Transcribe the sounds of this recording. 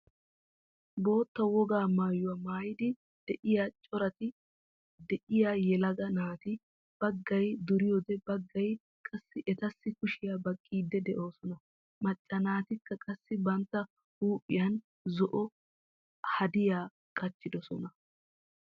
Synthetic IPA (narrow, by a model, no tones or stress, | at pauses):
bo̞ːt̪ːɐwɔɡaːmaːjʊwamaːjɪd̪ɪ | d̪̥ɛʔɪjaːt͡ʃʼɔɾɐt̪ɪ | d̪ɛʔɪjaːjɛlɐɡɐnaːt̪ɪ | b̥ɐɡːɐjd̪ʊɾɪjɔd̪ɛbɐɡːɐj | kʼɐsːɪʔɛt̪ɐsːɪkʊʃɪjabɐkʼːiːd̪ːɛd̪ɛʔo̞ːsɔnɐ | mɐt͡ʃʼːɐnaːt̪ɪkːɐkʼɐsːɪbɐnt̪ːɐ | huːpʼːɪjɐn | zɔʔɔ | hɐd̪ɪjaː | kʼɐt͡ʃːɪd̪ɔsɔnɐ